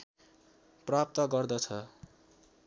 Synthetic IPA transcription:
prap̚t̪ʌɡʌrd̪ʌt͡sʰʌ

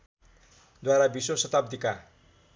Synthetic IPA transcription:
d̪waɾabisosʌt̪ab̚d̪ika

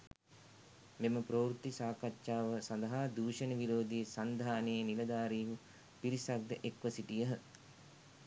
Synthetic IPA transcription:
meməpɾoːɾut̪ːisaːkatːʃaːʋəsand̪ɐɦaːd̪uːʃənəʋiɾoːd̪ijesand̪ʱaːnejenilɐd̪aːɾiːɦu | piɾisak̚d̪əʔekʋəsiʈijəɦə

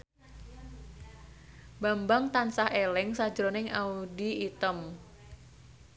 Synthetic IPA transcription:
bambaŋt̪ansahelɪŋsḁd͡ʒɾonɪŋaudiit̪əm

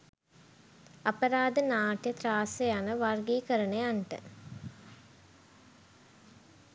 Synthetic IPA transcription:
apəɾaːd̪ənaːʈjət̪ɾaːsejanəʋarɡiːkəɾəɳejaɳʈə̰

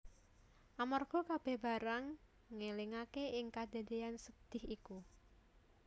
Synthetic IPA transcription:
ʔamɔrɡ̥ɔ̤kab̥e̤hb̥a̤ɾaŋː | eliŋakeʔɪŋkad̪̥a̤d̪e̤ansəd̪̥ɪhiku

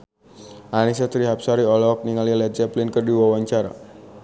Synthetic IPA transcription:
ʔanis̬at̪ɾiɦap̚saɾiɔlɔk̚niŋalialat̪̚d͡ʒɛplɪnkərdiwawaɲt͡ʃaɾa̰

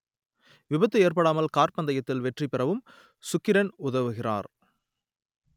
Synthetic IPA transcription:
ʋɪbɐt̪ːɯeːrpɐɽaːmɐlkaːɾpɐnd̪ɐjɐt̪ːɪlʋɛʈripːɪrɐʋɯm | sʊkːɪɾɐnʊðɐʋɯɣɪra̰ːɾ

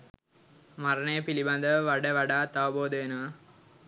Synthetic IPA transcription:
maɾənəjəpiliband̪əʋəʋaɖəʋaɖaːt̪aʋəboːd̪əʋenəʋɐ

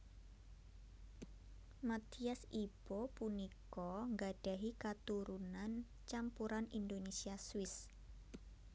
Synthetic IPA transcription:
mat̪iasib̥opunikɔŋɡaɖ̥aɦikat̪uɾunan | t͡ʃampuɾanind̪onesiaswɪs

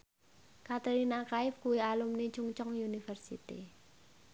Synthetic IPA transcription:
kat̪eɾinakaɪfkuialumni̥t͡ʃuŋt͡ʃɔŋjunifərsḭt̪ḭ

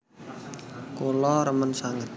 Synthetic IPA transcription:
kolɔɾəmənsaŋət̪̚

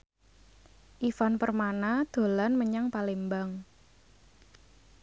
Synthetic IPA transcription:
ʔifanpərmanad̪̥o̤lanməɲaŋpalembaŋ

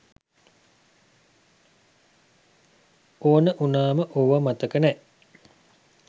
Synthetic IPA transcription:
oːnəʔunaːməʔoʋəmat̪əkənɛʔ

